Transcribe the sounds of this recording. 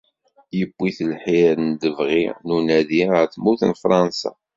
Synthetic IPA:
jəbʷːiθəlħiɾənd̪əvʁinunæðiəɾθmuθənfɾˤɑnsa̰

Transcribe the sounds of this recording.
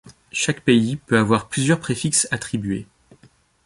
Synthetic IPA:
ʃakpeipøavwaʁplyzjœʁpχefiksat̪χibɥe

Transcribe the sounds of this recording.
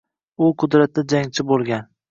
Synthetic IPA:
ʊqʰʊd̪ɾat̪̚d̪ad͡ʒaŋt͡ʃʰɪbolˠɡʲan

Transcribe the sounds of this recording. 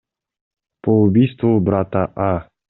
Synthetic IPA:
poubʲijst̪vʊbɾat̪aʔa

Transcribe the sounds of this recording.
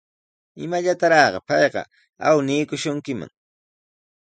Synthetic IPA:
ɪmaʎat̪aɾɑːɢɑpɑjɢɑ̰ | a̰wniːkʊʃʊŋkɪma̰ŋ

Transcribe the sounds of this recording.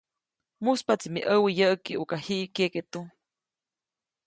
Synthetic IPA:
muspat͡simiʔəwijəʔəkiukahiʔkeket̪u

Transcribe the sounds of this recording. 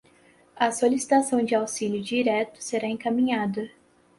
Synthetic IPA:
ɐsolisi̥t̪asɐ̃w̃d͡ʒɪawsilʲjʊd͡ʒiɾɛt̪ʊ̥seɾaẽŋkamĩɲad̪ɐ

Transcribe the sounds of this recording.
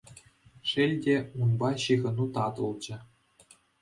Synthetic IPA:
ʂɘ̆lʲdʲeunbɑɕiɣɤ̆nut̪ɑt̪ŭlˠd͡ʑɘ̆

